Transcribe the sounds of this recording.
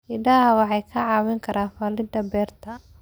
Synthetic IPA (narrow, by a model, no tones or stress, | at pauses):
ɪɖɐɦɐwɑħɑjkʰɐʕɑːwɪŋkʰɐɾʔaːfaːlɪd̪ɐbɛːrt̪ʰɐ